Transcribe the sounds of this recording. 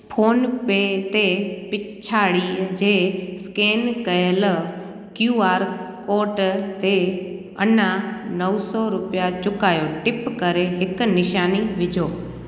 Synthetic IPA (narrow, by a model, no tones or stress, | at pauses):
pʰoːnpeːt̪epɪt͡ɕʰaːɽid͡ʑeːskeːnkɐjəl | kjuːaːɾkoːɾʈt̪e | ɐnanəʊsɔɾʊpijat͡ɕʊkaːjoʈɪpkɐɾeɦɪknɪʃaːniʋɪd͡ʑʱoː